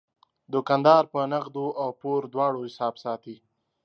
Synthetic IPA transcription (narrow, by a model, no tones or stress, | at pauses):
d̪ʊkand̪ɑɾpənaɣd̪oawpoɾd̪wɑɽohɪsɑːbsɑːt̪i